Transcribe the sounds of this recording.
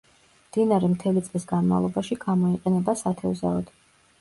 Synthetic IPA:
md̪̥inaɾɛmt̪ʰɛlit̪sʼlisɡanma̰vlˠɔbaʃiɡamɔiqʼɛnɛbasat̪ʰɛuza̰ɔd̪̥

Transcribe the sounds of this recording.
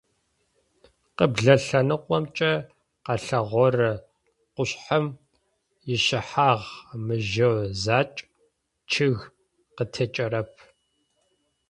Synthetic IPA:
qəbɮɐɬɐnɨqʷʼɔmt͡ʃʼɐ | qɑɬɐʁʷɔrɨ | qʷʊɕħɐm | jɪʃɪħaːʁmɨʒɐwzaːt͡ʃʼ | t͡ʃʰɪɣ | qətʰɐt͡ʃʼɐɾɐp̚ʰ

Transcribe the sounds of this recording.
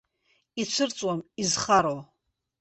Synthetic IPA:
it͡sʷʰɨrt͡sʼwamizχaɾo

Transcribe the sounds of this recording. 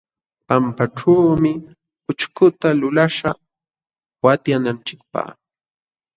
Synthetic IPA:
pampaʈ͡ʂaːmɪ | ʊt͡ʃkʊt̪alʊlaʂa | wat̪janant͡ʃɪk̚pa̰χ

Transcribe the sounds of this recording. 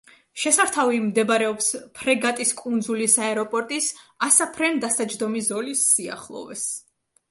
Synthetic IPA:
ʃɛsaɾt̪ʰavimd̪ɛbɾɛɔpspʰɾɛɡat̪ʼiskʼund̪zulisaɛɾɔpʼɔɾt̪ʼisasapʰɾɛnd̪asad͡ʒd̪ɔmizɔlisːia̰χlˠɔ̰vɛ̰s

